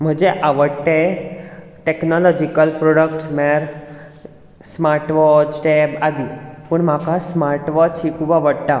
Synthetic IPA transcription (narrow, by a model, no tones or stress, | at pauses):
m̤əd͡ʑeʔaʋəɽʈẽ | ʈeknɔlɔd͡ʑikəlpɾoɽəkʈsmaɾ | smaɾʈʋɔd͡ʒʈebad̪iːpəɳm̤akasmaɾʈʋɔt͡ɕɦikʰubaʋəɽʈ̪a